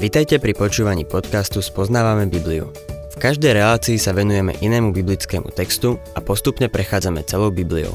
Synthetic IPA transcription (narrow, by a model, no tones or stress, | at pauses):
ʋit̪ajcɛpɾipɔt͡ʃuːʋaɲḭːpɔt̪kast̪uspɔznaːʋamɛbibliṵ | fkaʒd̪ɛjɾɛlaːt͡siːsaʋɛnujɛmɛ̰ʔinɛːmubiblit͡skɛːmṵt̪ɛkst̪uapɔst̪upɲɛpɾɛxaːd͡zamɛt͡sɛlɔʊbibliɔ̰ʊ